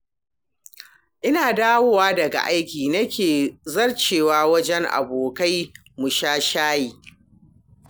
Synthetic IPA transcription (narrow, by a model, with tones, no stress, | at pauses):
ʔɪ˦naː˨daː˦woː˦waː˦dɐ˨ɡa̰˨ʔa˦jkʲiː˨nɐ˦kʲeː˨zɐ˦rt͡ʃeː˨waː˦wɐ˦d͡ʒɛ˦ŋʔa̰˨boː˨ka˦j | mʊ˨ʃaː˦ʃaː˦jiː˨